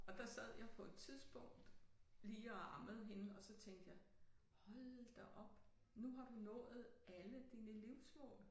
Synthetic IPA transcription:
ɒ̽d̥ɑ̈sæð̞̰ˠjɑ̈ɪpʰɒ̽e̝d̥t͡sʰiðˠsb̥ɔ̽ŋ̰d̥liːɒɑməð̞̩ˠɦe̝nəɒ̽sɒ̽t͡sʰeŋ̰d̥jɑɪ | hɒ̽lðd̥ɑ̈ʔɒ̽b̥ | nuɦɑ̈d̥unɔ̰̽ːð̩ˠʔæləd̥iːnəliʊsmɔ̰ːl

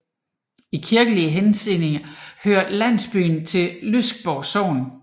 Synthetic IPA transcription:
ikʰiɐɡ̥əliəɦense̝ne̝ŋɐhøːɐ̰dlæn̰sb̥y̰ːn̩t͡sʰe̝llysɡ̥̚b̥ɒʊso̰ːn̩

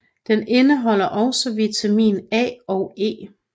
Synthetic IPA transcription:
d̥ene̝nəɦɒ̽l̰ɐʔɒ̽ʊsɒʋit͡sʰæmḭːnɛ̰ːɒʊe̝̰ː

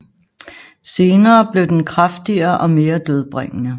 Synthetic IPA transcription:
se̝ːnɐːb̥le̝ʊd̥enkʰʁafd̥iɐʔɒ̽me̝ːɐd̥øð̞ˠb̥ʁɛŋ̰ənə

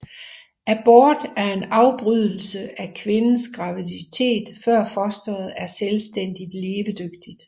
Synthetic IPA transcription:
ʔæb̥ɔːd̥æɐe̝nɑ̈ʊb̥ʁyð̰ˠl̩səʔækʰʋe̝nn̩sɡ̥ʁɑ̈ʋidit͡sʰe̝̰ːd̥fɶɐ̰fɒsd̥ɐð̩ˠæɐselsd̥en̰d̥id̥le̝ːʋəd̥øɡ̥d̥id̥

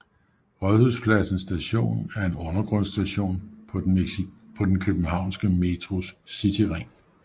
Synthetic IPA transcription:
ʁɶðˠhuðˠspʰlæsn̩sd̥æɕo̝̰ːnæɐe̝nɔ̽nɐɡ̥ʁɔ̽n̰sd̥æɕo̝̰ːnʰ | pʰɒ̽d̥enkʰøb̥n̩hɑ̈ʊ̰nsɡ̥əme̝t͡sʰʁo̝ssit͡sʰiʁeŋ̰

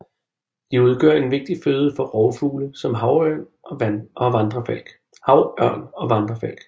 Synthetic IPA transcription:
d̥iuð̞ˠɡ̥œ̰ɐ̰e̝nʋe̝ɡ̥̚d̥iføːð̞ˠəfɒ̽ʁɒʊfuːləsɒ̽mɦɑ̈ʊɶɐ̰n | ʔɒ̽ʋænʔɒ̽ʋɑ̈nd̥ʁɐfæl̰ɡ̥ | hɑ̈ʊɶɐ̰nɒ̽ʋɑ̈nd̥ʁɐfæl̰ɡ̥

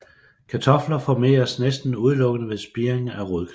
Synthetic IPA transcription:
kʰæt͡sʰɒ̽flɐfɒme̝̰ːɐsnesd̥n̩uð̞ˠlɔ̽ɡ̥ənəʋe̝ðˠsb̥iɐeŋæʁuðˠkʰ

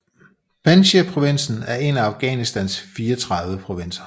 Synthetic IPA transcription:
pʰænɕiɐpʰʁo̝ʋe̝n̰sn̩æɐe̝næɑ̈ʊɡ̥ɛ̰ːnisd̥ænsfiːɐt͡sʰʁɑ̈ðˠʋəpʰʁo̝ʋe̝n̰sɐ̥

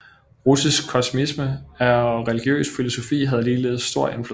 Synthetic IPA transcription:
ʁusisɡ̥kʰɒ̽sumisməæɐʁɛliɡ̥jø̰ːsfilo̝so̝fḭːɦæð̞̩ˠliːle̝̰ːð̞̩ˠsd̥o̝ɐ̰e̝nflu

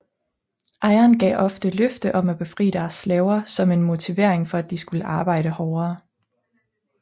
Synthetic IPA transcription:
ʔɑ̈ɪɐnɡ̥ɛ̰ːʔɒ̽fd̥əløfd̥əʔɒ̽mæb̥e̝fʁḭːd̥æɐsːlɛʊɐsɒ̽me̝nmo̝t͡sʰiʋe̝ɐ̰eŋfɒ̽æd̥isɡ̥uləʔɑ̈ːb̥ɑ̈ɪ̰ɾəhɒːɐː

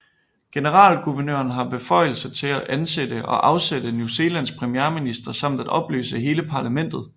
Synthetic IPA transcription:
ɡ̥e̝nəʁɑ̰̈ːlɡ̥uʋɐnø̰ɐnɦɑ̈b̥e̝fɒ̽ɪ̰l̩sət͡sʰe̝læʔænsed̥əʔɒ̽ʔɑ̈ʊsed̥ənjuse̝ːlæn̰spʰʁɛmiæɐminisd̥ɐsɑ̈m̰d̥æd̥ɒ̽b̥lø̰ːsəɦe̝ːləpʰɑ̈læmen̰d̥ð̞̩ˠ

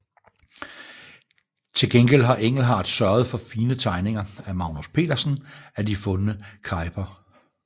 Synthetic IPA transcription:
t͡sʰe̝lɡ̥enɡ̥el̰d̥ɦɑ̈ʔeŋ̰l̩ɦɑ̰̈ːd̥sɶɐð̞̩ˠfɒ̽fiːnət͡sʰɑ̈ɪne̝ŋɐæmɑ̈ʊnuspʰe̝̰ːdɐsn̩æd̥ifɔ̽nənəkʰɑ̈ɪb̥ʰɐ

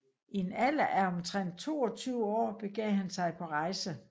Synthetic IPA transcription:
ienælæʔæɒ̽mt͡sʰʁɛn̰d̥̚t͡sʰo̝̰ːɒ̽t͡sʰyːʊəɒ̰ːb̥e̝ɡ̥ɛ̰ːɦænsɑ̈ɪpʰɒ̽ʁɑ̈ɪsə

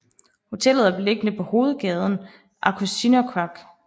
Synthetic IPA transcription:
ho̝t͡sʰel̰ð̞̩ˠæɐb̥ele̝ɡ̥ənəpʰɒ̽ho̝ːð̞̩ˠɡ̥ɛːð̞ˠn̩ | ʔɑ̈kʰusdʰinokʰʁɑɡ̥

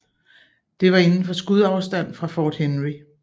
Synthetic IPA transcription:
d̥e̝ʋɑ̈e̝nn̩fɒ̽sɡ̥uð̞̰ˠɑ̈ʊsd̥æn̰fʁɑ̈fɒːd̥henʁi

